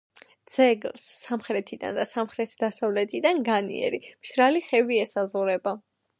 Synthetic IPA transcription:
d̪z̥ɛɡlsːamχɾɛt̪ʰid̪a̰nd̪asamχɾɛt̪ʰd̪asavlɛt̪ʰid̪anɡanḭɛ̰ɾimʃɾaliχɛviɛsazʁuɾɛba

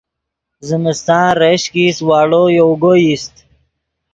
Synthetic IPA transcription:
zɪmɪst̪ɑ̃ːɾeɕkiswɑːɽojoɡojist̪

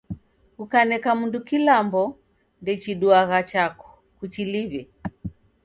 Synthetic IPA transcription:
kukanɛkamundukilambɔ | ndɛt͡ʃiɗuaɣat͡ʃakɔ̥ | kut͡ʃiliβɛ

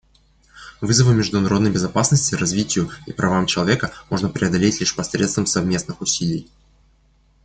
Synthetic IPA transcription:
vɨzəvɨmʲɪʐd̪ʊnɐɾo̞d̪nəjbʲɪzɐpasnəsʲtʲɪrɐzvʲitʲɪjʊipɾʔɐvamt͡ɕɪlˠɐvʲe̞kəmo̞ʐnəpɾʲɪɐd̪ɐlʲetʲlʲiʂpɐsɾʲet̪st̪vəmsɐvmʲe̞snɨxʊsʲilʲɪj

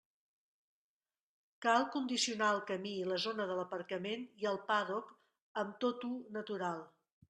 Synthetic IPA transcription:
kalˠkund̪isiunaəlˠkəmiləzonəðələpəɾkəmeniəlˠpaðɔk | əmt̪ot̪unət̪uɾalˠ

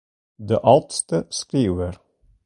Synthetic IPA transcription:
d̪əʔɑlt̪st̪əskɾiːʋəɾ

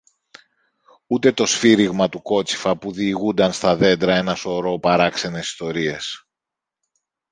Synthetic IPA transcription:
ut̪e̞t̪o̞sfiɾiɣmɐt̪uko̞t͡si̥fɐpuðiːɣund̪ɐnst̪ɐðe̞nd̪ɾɐe̞nɐso̞ɾo̞pɐɾɐkse̞ne̞si̥st̪o̞ɾie̞s

